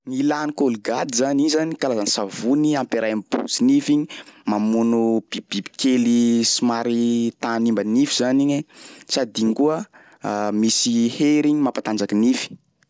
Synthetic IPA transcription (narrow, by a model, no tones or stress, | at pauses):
nilanikoliɡad̪izaniɲzanikalazanisavuniampeɾʔajmb̥ṵziniviɲimamunub̥ib̥ibi̥kelisimaɾit̪animbanivizaniɲesad̪iŋkuə | misiheɾiɲimapat̪and͡zakinifi̥